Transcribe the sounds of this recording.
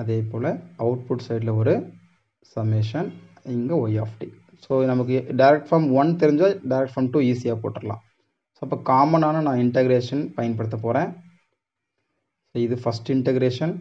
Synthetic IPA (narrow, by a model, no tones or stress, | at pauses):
ɐðeːpoːlɐɐʋʊʈ̚pʊʈsɐɪɖlɐɔɾɯ | sɐmːeʂɐn | ɪŋɡɐʋɐɪaːfʈi | soːnɐmɐk̬ːɯɖɐɪɾɛk̚ʈfɐɾmʋɐnt̪ɛɾɪɲd͡ʒaːɖɐɪɾɛk̚ʈfɐɾmʈuːiːsɪjaːpo̰ːʈːɪɾɐlã̰ː | soːɐpːɐːkaːmɐnaːnɐnãːɪɳʈɐɡɐɾeːʂɐnpɐjɐnpɐɽɯt̪ːɐpoːɾẽː | soːɪðɯfɐsʈɪɳʈɛɡɾeːʂɐn